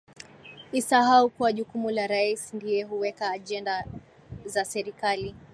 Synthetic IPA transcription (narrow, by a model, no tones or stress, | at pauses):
isaɦaukuwaʄukumulaɾaisndiɛɦuwɛkaːʄɛnda | zasɛɾikali